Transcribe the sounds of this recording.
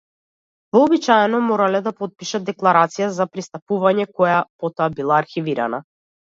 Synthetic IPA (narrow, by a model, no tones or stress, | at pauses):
vɔːbit͡ʃaɛnɔmɔɾalɛd̪apɔt̪̚piʃad̪̚d̪ɛklˠaɾat̪sijazapɾist̪apuvaɲɛkɔjapɔt̪ɔabilˠaːɾxiviɾa̰na